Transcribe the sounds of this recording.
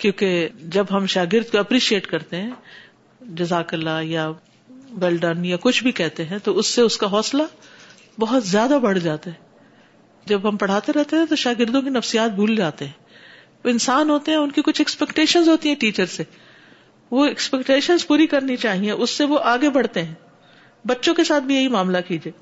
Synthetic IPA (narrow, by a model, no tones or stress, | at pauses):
kjõːked͡ʒɐbɦɐmʃaːɡɪɾd̪koɐpɾiːʃieːʈkɐɾt̪eɦɛ̃ː | d͡ʒɐzaːkɪlaja | ʋɛːlɖənjakʊt͡ʃʰbʱikɛɦt̪eɦɛ̃t̪oʊsːeʊskaɦɔːsla | bɐɦʊt̪zjaːd̪abɐɽ̤d͡ʒaːt̪aɦɛː | d͡ʒɐbɦɐmpɐɽ̤aːt̪eɾɛɦt̪eɦɛ̃t̪oʃaːɡɪɾd̪õkinɐfsijaːt̪̚bʱuːld͡ʒaːt̪eɦɛ̃ː | oɪnsaːnɦoːt̪eɦɛ̃ʊnkikʊt͡ʃʰɛkspɛkʈeːʃənzɦoːt̪iɦɛ̃ʈiːt͡ʃəɾse | ʋoɛkspɛkʈeːʃənzpuːɾikɐɾnit͡ʃaːɦiẽʔʊsːeʋoʔaːɡebɐɽt̪eɦɛ̃ː | bɐtːʃõkesaːt̪̚ʰbʱijɐɦimaːmlakiːd͡ʒieː